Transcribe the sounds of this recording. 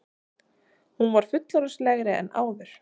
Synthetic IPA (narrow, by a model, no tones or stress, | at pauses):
hunvaɾ̥fʏt̪laɾʏslɛɣɾɪɛ̰nʔa̰ːwðʏɾ̥